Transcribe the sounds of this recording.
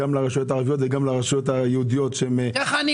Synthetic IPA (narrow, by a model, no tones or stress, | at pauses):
amlaʁaʃujo̞t̪̬aːʁavijo̞t̪veɡamlaʁaʃjot̪ajeud̪ijo̞t̪ʃemekaχani